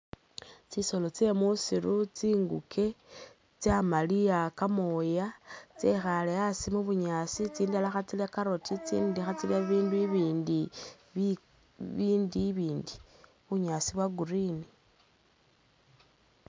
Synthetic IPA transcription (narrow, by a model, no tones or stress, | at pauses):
t͡siso̞lo̞t͡se̞musiɾut͡siːŋɡukʰe̞ | t͡samaliakamojat͡sexaleasimuβuɲasit͡siːndalaxat͡siljakaɾotʰit͡sḭːndixat͡siljaβiːnduiβiːndi | βiːndiβiːndi | βuɲasiβwaɡuɾini